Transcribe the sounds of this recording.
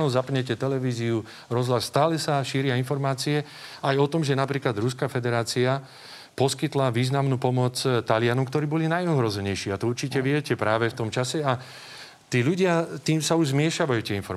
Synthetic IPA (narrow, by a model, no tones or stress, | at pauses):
nɔʊzapɲɛcɛt̪ɛlɛʋiːziu | ɾɔzɦlasːt̪aːlɛsaʃiːɾɪainfɔɾmaːt͡siɛ | ajɔt̪ɔmʒɛnapɾiːklad̪ɾuskafɛd̪ɛɾaːt͡sia | pɔskit̪laʋiːznamnuːpɔmɔt͡st̪alɪanɔmkt̪ɔɾiːbɔlinajɔɦɾɔzɛɲɛjʃiːat̪ɔuɾt͡ʃicɛʋɪɛcɛpɾaːʋɛft̪ɔmt͡ʃasɛa | t̪iːʎuɟɪat̪iːmsauʒzmɪɛʃaʋajuːt̪ɪɛinfɔɾ